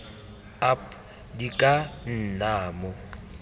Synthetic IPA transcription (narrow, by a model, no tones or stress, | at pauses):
ap | dikʼan̩naːmɔ